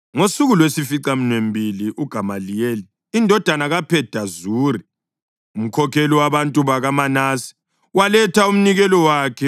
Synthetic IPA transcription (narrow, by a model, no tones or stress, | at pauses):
ŋosuɣulwesifiǀam̩nwem̩bʱiliʔuɡ̥ʱamalijeliː | ndʱɔd̥ʱanaɣapʰɛd̥ʱazuːri | um̩kʰɔkʰɛliwaβantʼuβaɣamanasi̥ | walɛtʰaum̩niɣɛlɔwaːkʰɛ